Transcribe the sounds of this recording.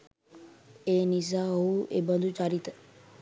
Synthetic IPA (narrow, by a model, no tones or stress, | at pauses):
enisauebənd̪ʱut͡ʃaɾit̪